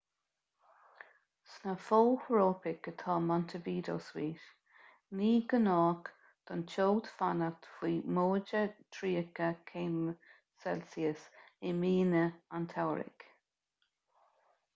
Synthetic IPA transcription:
snəfohɹoːpɪkət̪ʰɑːmɔnt̪ʰəviːd̪o̰ːswiːɾ | niːɡənɑːk | d̪̥ɔnt͡ʃoːd̪fanət̪fiːmoːd͡ʒət̪ʰɾiːkəkʰeːm | sɛlsiəsɪmiːnəant̪ʰawɾɪ̰k

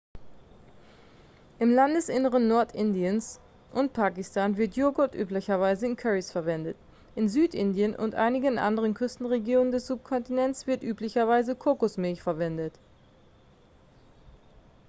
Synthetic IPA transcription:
ʔɪmlandəsʔɪnəʁ̞ənːɔɐtʔɪndiəns | ʔʊntpʰaːkɪstʰaːnvɪɐtjoːɡotʔy̰ːplɪçɐvaɪzəɪnkʰɛʁisfɛɐvɛndət | ʔɪnzyːtʔɪndijənʔʊ̰ntʔa̰ɪnɪɡənʔa̰ndəʁ̞ənkʰʏstn̩ʁeɡjoːnəndɛsz̥up̚kʰɔntinɛntt͡ssv̥ɪɐtʔyːplɪçɐvaɪzəkʰʊkʊsmɪlçfɛɐvɛndət

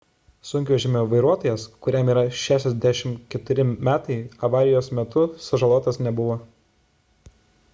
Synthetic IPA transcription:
sʊŋʲkʲuːʒʲɪmʲoːʋɐɪɾuɔt̪oːjɛskʊɾʲɛmiːɾɐʃʲæːʃʲɛzʲd̪ʲæʃʲɪmkʲɛt̪ʊɾʲɪmʲæːt̪ɐɪɐʋɑːɾʲɪjoːsmʲɛt̪ʊsɐʒɐlˠoːt̪ɐsnʲɛbʊʋoː

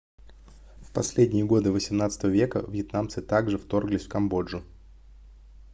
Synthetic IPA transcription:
fpɐsʲlʲedʲnʲɪjəɡo̞d̪ɨvəsʲɪmn̪at̪sət̪əvəvʲe̞kə̰vjɪt̪namt̪sɨt̪aɡʐɨft̪o̞rɡlʲɪsʲfkɐmbo̞ʐʊ

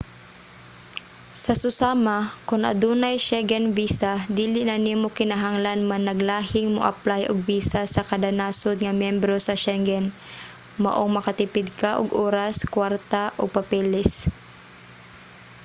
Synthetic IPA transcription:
sɐsʊsaːmakʊnʔɐ̰d̪uːnajʃɛɡɛnviːsad̪iːlɪʔnɐnimokɪnaɦaŋlanmanɐɡlaːhɪŋmoʔɐ̰plajʔoɡ̚biːsasɐkɐd̪anaːsod̪̚ŋɐmjɛmbɾosɐʃɛŋɡɛn | ma̰ʔoŋmɐkat̪ɪpɪd̪̚kaʔoɡʔoːɾaskwaɾt̪aʔoɡ̚pɐpɛlɛs

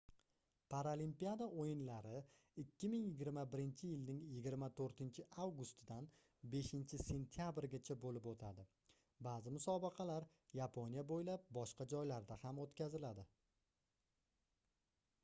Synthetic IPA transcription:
pʰaɾalimpijad̪aʔojɪnlaɾɪ | ɪkʲʰːɪmɪŋjɪɡʲɪɾmabɪɾɪnt͡ʃʰɪjɪlnɪŋjɪɡʲɪɾmat̪ʰoɾt̪ʰɪnt͡ʃʰɪʔawɡʊst̪ʰɪd̪an | be̞ʃɪnt͡ʃʰɪse̞nt̪ʰɪjabɾɡʲat͡ʃʰabolɪpot̪ʰad̪ɪ | baːzɪmʊsɒbɑqʰɑlaɾ | japʰonjabojlap̚bɒʃqɑd͡ʒɒjlaɾd̪ahamot̪kʲʰazɪlad̪ɪ

